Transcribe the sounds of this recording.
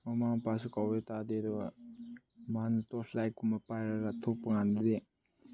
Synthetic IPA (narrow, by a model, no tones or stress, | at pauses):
mamampas̬ukawetadedɔ | manutɔsʰlajkumapajɾaɾatʰopɐŋandide